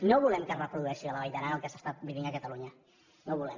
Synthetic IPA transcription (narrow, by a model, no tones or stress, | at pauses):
noβulɛmkərəpɾuðuɛʃialaβajt̪aɾanəlˠkesast̪at̪̚biβiŋakət̪aluɲə | noβulɛm